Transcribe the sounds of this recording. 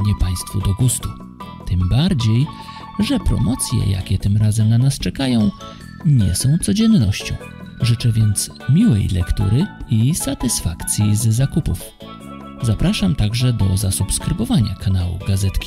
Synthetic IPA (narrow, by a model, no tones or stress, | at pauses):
ɲɛpaj̃st̪fud̪ɔɡust̪u | t̪ɘmbaɾd͡ʑej | ʐɛpɾɔ̰mɔt̪sʲjɛ̰ja̰kʲɛt̪ɘmɾazɛmnanast͡ʂɛkajɔ̃w̃ | ɲɛ̰sɔ̃w̃t̪sɔd͡ʑɛnːɔɕt͡ɕɔ̰̃w̃ | ʐɘt͡ʂɛvʲjɛnt̪s | mʲiwɛ̰jlʔɛ̰kt̪ṵɾɘisat̪ɘsfakt̪sʲjizːakupṵf | zapɾaʂamt̪aɡʐɛd̪ɔzasupskɾɘbɔvaɲakanawṵɡazɛt̪kʲi̥